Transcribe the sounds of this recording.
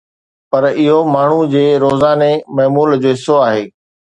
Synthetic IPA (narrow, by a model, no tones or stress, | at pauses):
pɐɾɪɦomaːɳ̤ud͡ʑeːɾoːzaːnemɐɦmuːld͡ʑoːɦɪsːoaːɦeː